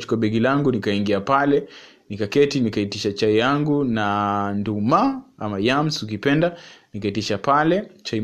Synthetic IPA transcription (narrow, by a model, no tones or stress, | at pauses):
t͡ʃu̥kuaɓɛɡilaŋɡunikaiŋɡiapalɛ | nikakɛtinikaitiʃat͡ʃaijaŋɡunandumaamajamsuk̬ipɛndanikaitiʃapalɛt͡ʃai